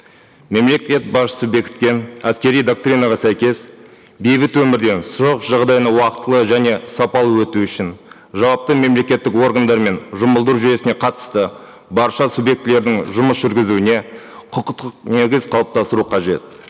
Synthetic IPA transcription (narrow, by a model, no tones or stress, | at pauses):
me̞mle̞kʲe̞t̪̚bɑsʃə̥səbe̞kʲɪ̥t̪̚kʲe̞næskʲe̞ɾijd̪o̞k̚t̪ɾʲinɑʁɑsæjkʲe̞s | bejbɪt̪wɵmɪɾd̪e̞nsʊɾoqʒɑʁd̪ɑjənəwɑqət̪ːəlˠəʒæne̞sɑpɑlˠəwɵt̪uʏʃɪn | ʒɑwɑp̚t̪əme̞mle̞kʲe̞t̪ːɪkwo̞ɾɡand̪ɑɾme̞nʒʊməlˠd̪əɾuʒɪje̞sɪne̞qʰɑt̪ə̥st̪ə | bɑɾʃɑsubje̞k̚t̪ɪle̞ɾd̪ɪŋʒʊməsʒʏɾɡʲɪzuɪne̞ | qʰʊqət̪əqne̞ɡʲɪzqʰɑlˠəp̚t̪ɑst̪əɾuqʰɑʒe̞t̪̚